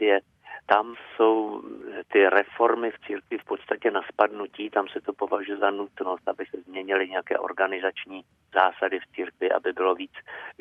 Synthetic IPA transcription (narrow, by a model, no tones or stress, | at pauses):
jɛ | t̪amso̞wt̪ɪɾɛfo̞ɾmɪft͡siːɾkvɪfpo̞t̪st̪acɛnaspadnuciːt̪amsɛt̪o̞po̞vaʒujɛzanut̪no̞st̪ʔabɪsɛzmɲɛɲɪlɪɲɛjakɛ̰ːʔo̞̰ɾɡanɪzat͡ʃɲiː | z̥aːsadɪft͡siːɾkvɪʔa̰bɪbɪlo̞viːt͡s